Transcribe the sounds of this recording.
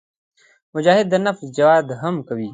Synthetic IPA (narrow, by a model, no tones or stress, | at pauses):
mʊd͡ʒaːɦɪd̪ːənɐfzd͡ʒɐwaːd̪ɦɐmkɐwiː